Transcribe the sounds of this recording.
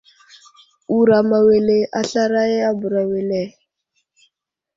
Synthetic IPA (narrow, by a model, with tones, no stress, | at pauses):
u˨ɾa˨ma˨we˨le˨ʔa˦ɬa˦ɾa˦ɛ˦a˦bu˨ɾa˨we˨lɛ˨